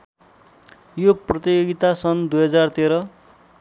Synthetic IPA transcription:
joprʌt̪ijoɡit̪asʌnd̪ujɦʌd͡zart̪eɾʌ

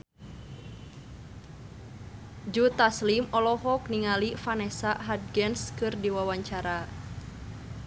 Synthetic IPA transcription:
d͡ʒut̪aslimɔlɔɦɔk̚niŋalifanɛsaʔɦad̚ɡɛnskɨrdiwawaɲt͡ʃaɾa

